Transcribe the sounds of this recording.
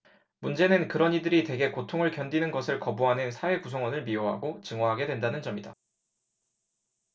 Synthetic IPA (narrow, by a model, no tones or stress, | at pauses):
mund͡ʑe̞nɯnkɯɾʌnidɯɾitwe̞ɡe̞kotʰoŋɯɭkjʌndinɯnɡʌsʰɯɭkʌbuɦanɯnsʰawe̞kusʰʌŋwʌnɯɭmioɦa̰ɡot͡ɕɯŋʌɦaɡe̞dwe̞ndanɯnd͡ʑʌmida